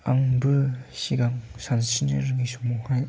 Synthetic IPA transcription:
a̰ŋbɯɕiɡaŋsʰansʰinɯɾɯŋisʰumohaj

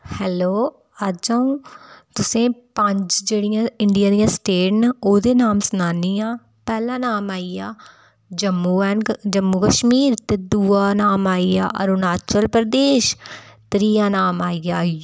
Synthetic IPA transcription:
hɛːloː | əd͡ʒaːũːt̪ʊsẽːpəɲd͡ʒd͡ʒeːɽɪjãːɪɳɖɪjãːd̪ijãːsʈeːʈnːoːd̪eːnaːmsnaːniːãː | pɛːlãːnaːmaːiːaː | d͡ʒəmːuːɛːnd͡ʒəmːuːkəʃmiːɾt̪eːd̪uːaːnaːmaːia̰ːʔə̰ɾuːnaːt͡ʃəlpɾəd̪eːʃt̪ɾiːãːnaːmaːiaː

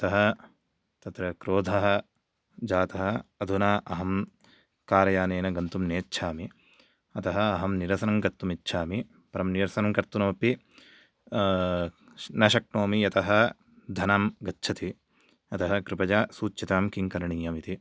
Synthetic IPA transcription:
ɐt̪ɐɦɐ | t̪ɐt̪ɾɐkɾoːd̪ʱɐɦɐ̆ | d͡ʒaːt̪ɐɦɐɐd̪ʱunaːʔɐɦɐm | kaːɾɐjaːneːnɐɡɐnt̪umneːtːʃʰaːmi | ɐt̪ɐɦɐɐɦɐmniɾɐsɐnɐŋkɐɾt̪ːumitːʃʰaːmi | pɐɾɐmnijɐɾsɐnɐŋkɐɾt̪ːunɐmɐpi | nɐʃɐk̚ɳoːmijɐt̪ɐɦɐ | d̪ʱɐnamɡɐtːt͡ʃʰɐt̪i | ɐt̪ɐɦɐkɾɪpɐd͡ʒaːsuːt͡ʃjɐt̪aːmkiŋkɐɾɐɳiːjɐmit̪i

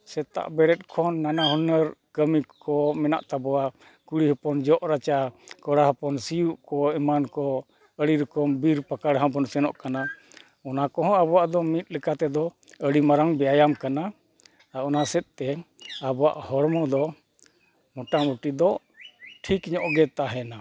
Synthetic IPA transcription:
sɛt̪a̰ʔbɛɾɛt̚ˀkʰɔnːanaɦunəɾkəmikɔmɛna̰ʔt̪abɔwa | kuɽiɦɔpɔnd͡ʒɔʔɾat͡ʃakɔɽaɦɔpɔnsijuʔkɔɛmankɔ | əɽiɾɔkɔmbiɾpakaɽɦãpɔnsɛnɔʔkana | ɔnakɔɦɔ̃abɔwaʔd̪ɔmit̪̚ˀlɛkat̪ɛd̪ɔ | əɽimaɾaŋbɛajamkana | aɔnasɛt̪̚ˀt̪ɛ | abɔwa̰ʔhɔɽmɔd̪ɔ | mɔʈamuʈid̪ɔ | ʈʰikɲɔʔɡɛt̪aɦɛna

